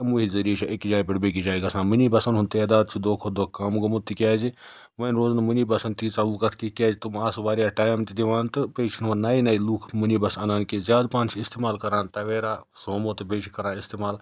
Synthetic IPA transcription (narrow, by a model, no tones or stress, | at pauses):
ɐmuɦizɐɾiːt͡ʃʰɐʔekd͡ʒaːjpiɽbek̬id͡ʒaːiɡɐsãːnminibɐsɐnɦunt̪iɐd̪aːd̪̚t͡ʃʰid̪oːkʰod̪oːkaːmɡɐmut̪ikʲaːd͡ʒi | ʋɐnɾoːznɐmuniːbɐsɐnt̪it͡sɐʋuːkɐt̪ʰkikʲaːd͡ʒit̪umaːsʋaːɾjaːʈaːjmt̪id̪iʋaːnt̪ɨpeːt͡ʃʰinʋɐnnaːinɐiluːkʰmunibɐsɐnaːnkezjaːd̪pãːnt͡ʃʰiist̪eːmaːlkɐɾaːnt̪ɐʋeːɾaː | soːmoːt̪ɨbeːt͡ʃʰikɐɾãːnist̪eːmaːl